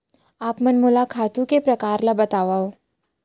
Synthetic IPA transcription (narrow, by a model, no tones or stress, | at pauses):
aːpmɐnmʊlakʰaːt̪ũkepɾɐkaːɾlabɐt̪aːʋao